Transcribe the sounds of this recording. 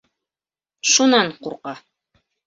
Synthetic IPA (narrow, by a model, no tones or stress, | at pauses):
ʃunɑɴquɾqɑ